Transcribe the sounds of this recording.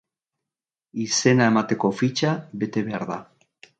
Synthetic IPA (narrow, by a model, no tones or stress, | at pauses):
isenaemat̪ekofit͡ʃabet̪eβaɾða